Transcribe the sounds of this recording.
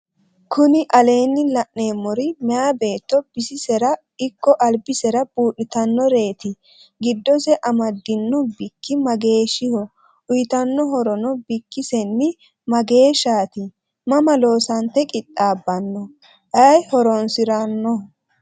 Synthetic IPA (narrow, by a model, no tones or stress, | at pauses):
kʰʊnɪʔɐle̞ːnːɪlɐʔneːmːɔɾɪmɛaːbe̞ːt̪ːɔbɪsɪsɛɾɐ | ɪkːɔʔɐlbɪsɛɾɐb̥uːɗɪt̪ɐnːɔɾe̞ːt̪ɪ | ɡɪd̪ːɔsɛʔɐmɐd̪ːɪnːɔbɪkːɪmɐɡe̞ːʃɪhɔ | ʔʊjɪt̪ɐnːɔɦɔɾɔnɔbɪkːɪsɛnːɪ | mɐɡe̞ːʃaːt̪ɪ | mɐmɐlo̞ːsɐnt̪ːɛkʼɪtʼːaːbːɐnːɔ | ʔɐjhɔɾɔnsɪɾɐnːɔ